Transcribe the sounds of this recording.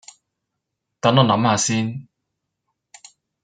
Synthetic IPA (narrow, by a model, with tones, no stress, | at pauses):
t̪aː˨˥nɔː˨˧nɐ˨˧˥mhaː˨˧siː˥n